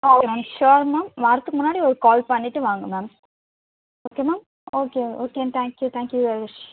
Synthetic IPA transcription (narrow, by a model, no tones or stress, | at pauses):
oːkemaːmʃoːɾmaːmʋaːɾɐt̪ːɯkːɯmʊnːaːɽiɔɾɯkaːlpɐɳːiʈːɯʋaːŋɡɐmaːm | oːkeːmaːm | oːkeoːkent̪ʰæːŋkjut̪ʰæ̃ːŋkjuʋɛɾɪmɐt͡ʃ